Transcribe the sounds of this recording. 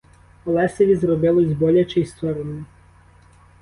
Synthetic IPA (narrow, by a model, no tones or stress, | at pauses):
ɔlˠɛseʋʲizɾɔbɪlˠɔizʲbɔlʲat͡ʃɛist̪ɔɾɔnɔ